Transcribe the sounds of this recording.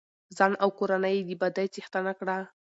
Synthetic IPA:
zɑnʔawkoɾanəjd̪ibad̪ajt͡sixt̪anakɽa

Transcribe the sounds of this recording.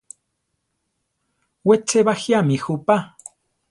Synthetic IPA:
wet͡seβaxjamixupa

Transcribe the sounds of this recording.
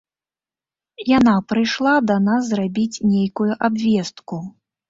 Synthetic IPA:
janapɾɨjʂlˠad̪anasːrabʲit͡sʲnʲejkujuʔabvʲɛst̪ku

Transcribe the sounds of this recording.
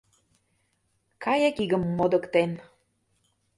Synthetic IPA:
kɑjekiɣə̆mːod̪ə̆kt̪en

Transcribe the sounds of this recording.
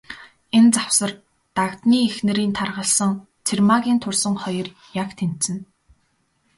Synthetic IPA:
ent͡sawsə̆r | t̪akt̪niːexnɘ̆ɾiːnt̪ʰarʁə̆ɬsə̆ŋ | t͡sʰermaɣʲiːnt̪ʰʊrsə̆ŋχɔjɞ̆r | jakt̪ʰem̥t̪sɘ̆n

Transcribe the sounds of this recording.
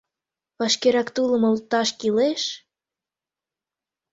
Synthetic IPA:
βɑʃkeɾɑkt̪ulə̆molt̪ɑʃkileʃ

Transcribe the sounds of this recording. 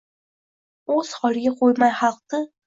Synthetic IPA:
oz̥hɒlɡʲaqʰojmajχɑlˠqɨ

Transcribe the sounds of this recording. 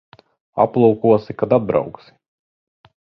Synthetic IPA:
a̰plˠuːkuɔsikad̪ad̪̚bɾa̰wksi̥

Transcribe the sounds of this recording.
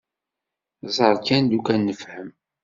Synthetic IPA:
zˤəɾˤkænd̪ukænːəfhəm

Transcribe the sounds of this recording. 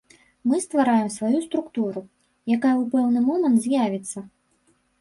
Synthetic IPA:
mɨst̪vaɾajɛmsvajust̪ɾukt̪uɾu | jakajɛupɛwnɨmɔmɐnt̪zʲjavʲit̪sːɐ

